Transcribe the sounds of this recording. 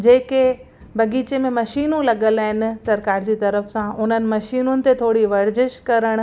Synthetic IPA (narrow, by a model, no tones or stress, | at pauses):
d͡ʑeːke | bɐɡiːt͡ɕemẽmɐʃiːnũlɐɠəlaːɦɪn̆sɐɾkaːɾd͡ʑiːt̪ɐɾəfsãʔʊn̤ənɪ̆mɐʃiːnʊnɪ̆t̪et̪ʰoːɽiʋɐɾd͡ʑɪʃkɐɾəɽ̃